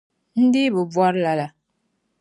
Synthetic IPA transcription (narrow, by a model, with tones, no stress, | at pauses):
n̩˦di˦bə˨bwɔ˦ɾla˨la˨